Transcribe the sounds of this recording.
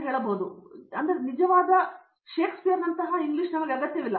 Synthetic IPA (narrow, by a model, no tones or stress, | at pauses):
ɦeːɭɐboːd̪uɐnd̪ɐɾenid͡ʒɐʋaːd̪ɐ | ʃe̞ːkspijɐɾnɐnt̪ɐɦɐiŋɡliʂnɐmɐɡeɐɡɐt̪jɐʋilːɐ